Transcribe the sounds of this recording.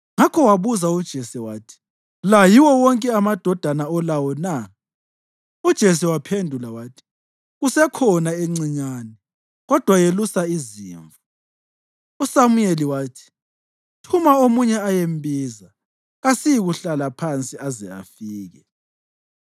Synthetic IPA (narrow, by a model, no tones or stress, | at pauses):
ŋakʰɔwaβuzaud̥ʒ̥ʱesiwaːtʰi̥ | lajiwɔwɔŋkʼɛamad̥ʱɔd̥ʱanaɔlawɔna | ud̥ʒ̥ʱes̬iwapʰendʱulawaːtʰi̥ | ɣusɛkʰɔnaeŋ͡ǀiɲaːnɛ | ɣɔd̥ʱwajelusaizḭːɱvu | usamujeliwaːtʰi̥ | tʰumaomuɲɛajembʱiːza | ɣasijiɣuɬalapʰant͡sʼiazɛ̰a̰fiːɣɛ